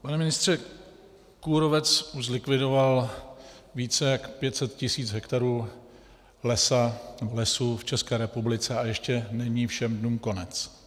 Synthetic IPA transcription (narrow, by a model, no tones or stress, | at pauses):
panɛmɪnɪst̪r̝̥ɛ | kuɾovɛt͡suzlɪkvɪdo̞val | viːt͡sɛjakpjɛt̪sɛt̪cɪsiːt͡sɦɛkt̪aɾuː | lɛsanɛbolɛsuft͡ʃɛskɛːɾɛpublɪt͡sɛajɛʃcɛnɛɲiːfʃɛmdnuːmko̞nɛt͡s